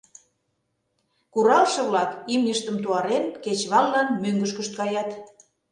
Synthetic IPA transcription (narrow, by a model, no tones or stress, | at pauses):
kuɾɑlʃɤ̆βlɑkimnəʃt̪əmt̪uɑɾenket͡ɕβɑlːɑnmøŋɡə̆ʃkə̆ʃt̪̚kɑjɑt̪